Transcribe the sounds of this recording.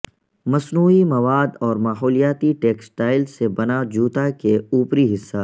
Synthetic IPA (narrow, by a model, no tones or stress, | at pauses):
mɐsnuːimɐʋaːd̪ɔːɾmaːɦɔːlijaːt̪iʈeːksʈaːɪlsebɐnad͡ʒuːt̪akeuːpɾiɦɪsːa